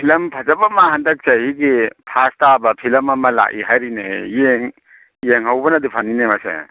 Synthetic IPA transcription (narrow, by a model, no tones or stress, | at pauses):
pʰilɐmpʰazɐbamahandɐk̚sahiɡipʰastabɐpʰilɐmɐmɐla̰ʔḭɦajɾinejeŋ | jeŋhawbɐnɐdipʰaninemasḛ